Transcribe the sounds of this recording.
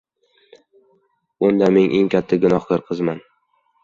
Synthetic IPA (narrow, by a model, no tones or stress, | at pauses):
ʊnd̪ameŋʔe̞ŋkʲʰat̪ʰːaɡʊnɒhkɨɾqʰɨzman